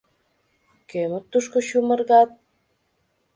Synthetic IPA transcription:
kømə̆t̪ːuʃkoɕumə̆rɣɑt̪̚

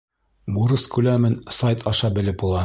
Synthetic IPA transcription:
buɾɤskʉlæmɘnsɑjt̪ʰɑʃɑbɘ̆lɘp̚ulˠɑ

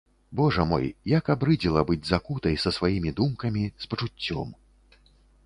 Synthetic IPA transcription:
bɔʐɐmɔ̰jjakabɾɨd͡zʲilˠɐbɨd͡zʲzakut̪ɐjsɐsvajimʲid̪umkɐmʲispɐt͡ʂut͡sʲːɔ̰m

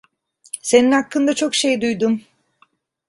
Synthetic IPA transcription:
se̞ninhakːɯnd̪at͡ʃʰo̞kʃejd̪ujd̪um

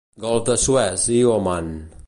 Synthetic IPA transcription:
ɡɔlˠfd̪əsuɛsioman

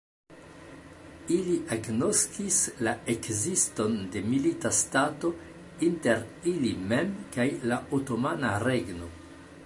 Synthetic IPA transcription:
iliʔaɡno̞skislaekzisto̞nde̞militastato̞ | inte̞ɾilimemkajlaoto̞manaɾe̞ɡno̞

